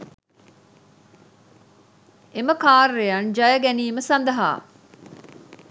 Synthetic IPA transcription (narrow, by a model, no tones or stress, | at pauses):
eməkaːrːejɐnd͡ʒɐjɐɡæniːməsɐnd̪ɐɦa̰ː